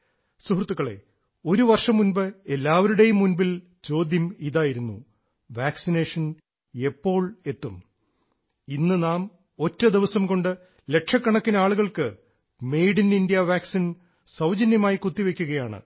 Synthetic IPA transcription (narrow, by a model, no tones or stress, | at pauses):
suɦrt̪ːukːɐɭe̞̰ | o̞ɾuʋɐrʂɐmːunbɨelːaːʋɐɾuɽe̞jumːunbil | t͡ɕo̞ːd̪jɐmiðaːjiɾunːṵ | ʋaːksineːʂɐn | e̞pːo̞ːɭe̞t̪ːum | inːɨnaːm | o̞tːɐd̪iʋɐsɐmko̞ɳɖɨ | le̞kʂɐkːɐɳɐkːineaːɭuɣɐɭkɨ | mejɽinindijɐʋaːksin | sɐwd͡ʑɐnjɐmaːjikut̪ːiʋe̞kʲːuɣɐjaːɳɨ̰